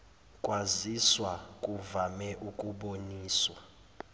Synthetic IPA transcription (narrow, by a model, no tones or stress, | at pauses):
kʼwaziswakʼuvamɛʔukʼuɓoniːswa